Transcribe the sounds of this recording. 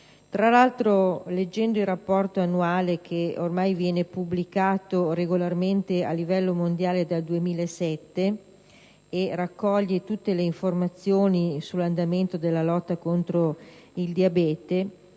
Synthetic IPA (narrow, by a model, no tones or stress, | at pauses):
t̪ɾalalt̪ɾoled͡ʒːɛnd̪oilrapːɔrt̪oanːuaːlek̟ʰeormajvjɛːnepublikaːt̪oɾeɡolarment̪ea̰lːivɛlːomond̪jaːled̪ald̪uemiːlaesɛt̪ːeː | rakːɔʎːet̪ut̪ːeleiɱformat̪sːjoːnisulːand̪ament̪od̪elːalɔt̪ːakont̪ɾoild̪iabɛːt̪e